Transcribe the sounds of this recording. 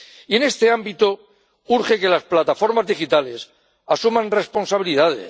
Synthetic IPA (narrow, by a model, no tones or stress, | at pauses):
ie̞ne̞st̪e̞ambit̪o | uɾxe̞ke̞lasplat̪afo̞ɾmazðixit̪ale̞s | asumãnre̞spo̞nsaβ̞iliðaðḛ